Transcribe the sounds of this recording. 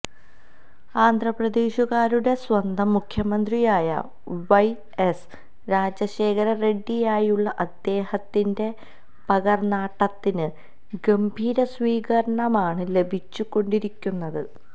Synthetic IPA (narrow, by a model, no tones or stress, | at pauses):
aːnd̪ʱrɐprɐd̪eːɕuɣaːɾuɽe̞swɐnd̪ʱɐmːukʰjɐmɐnd̪rijaːjɐ̰ | ʋɐj | es | ɾaːd͡ʑɐɕe̞ːkʰɐɾɐre̞ɖːijaːjuɭːɐʔɐd̪ːe̞ːhɐt̪ːinde̞ | pɐɣɐrnaːʈːɐt̪ːinɨ | ɡɐmbʱiːɾɐsʋiːɣɐɾɐɳɐmaːɳɨle̞bʱit͡ɕːukːo̞ɳɖiɾikʲːunːɐðɨ